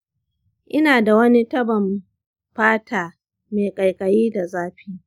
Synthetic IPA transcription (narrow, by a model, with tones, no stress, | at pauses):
ʔɪ˦naː˨da˨wɐ˦ni˦tɐ˦bɐ˨m | ɸaː˦tʰaː˨ | meː˨kʼɐ˨jkʼɐ˨jiː˦da˨zaː˦ɸiː˦